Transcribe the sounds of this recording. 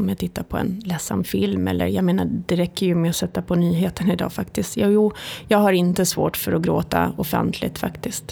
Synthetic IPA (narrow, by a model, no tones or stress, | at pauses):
ɔmjat̪ʰɪt̪ːaɾpʰɔɛ̰nlɛsːa̰mfɪlmɛ̰lːə̰ɾjɑ̰ːɡmeːnad̪̥ɛɾɛkːəɾjɵmɛɔsɛt̪ːapʰɔnyːɦeːt̪ənɪd̪ɑ̰ːfakt̪ɪst̪jaːjuːjɑːɡhaɾɪnt̪əsvo̰ːʈfœɾɔɡɾoːt̪a̰ɔfɛ̰nt̪ʰlɪ̰t̪fa̰kt̪ɪst̪